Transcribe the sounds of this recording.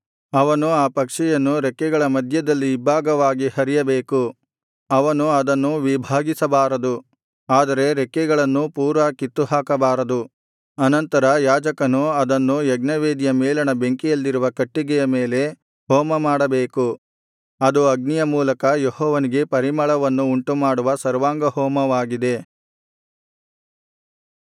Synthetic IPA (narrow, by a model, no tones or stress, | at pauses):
ɐʋɐnuaːpɐkʂɛjɐnːuɾekːɛɡɐɭɐmɐd̪ʱjɐd̪ɐlːiːbʱaːɡɐʋaːɡihɐɾijɐbe̞ːku | ɐʋɐnuɐd̪ɐnːuʋibʱaːɡisɐbaːɾɐd̪u | aːd̪ɐɾe̞ɾekːɛɡɐɭɐnːupuːɾʋɐːkit̪ːuɦaːkɐbaːɾɐd̪u | ɐnɐnt̪ɐɾɐjaːd͡ʒɐkɐnuɐd̪ɐnːujɐɡnɐʋeːd̪ijɐmɛːlɐnɐbeŋkijɐlːiɾuʋɐkɐʈːiɡɛjɐmeːle̞ | hɔːmɐmaːɽɐbeːku | ɐd̪uɐɡ̚nijɐmuːlɐkɐjehɔːʋɐniɡe̞pɐɾimɐɭɐʋɐnːuːɳʈumaːɽuʋɐsɐɾʋaːŋɡɐhɔːmɐʋaːɡid̪e̞